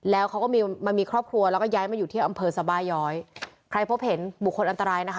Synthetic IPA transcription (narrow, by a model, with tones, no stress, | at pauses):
lɛː˦˥wkʰa˦˥wkɔː˥˩miː˧ma˧nmiː˧kʰɾɔː˥˩p̚kʰɾu˧ɐlɛː˦˥wkɔː˥˩jaː˦˥jmaː˧˩juː˨˩t̪ʰi˥˩ʔa˧mpʰɤː˧sa˧˦baː˧jːɔː˦˥jkʰɾa˧jpʰo˦˥p̚he˩˦nbu˨˩kʰːo˧nʔnt̪a˧ɾaː˧jna˦˥kʰ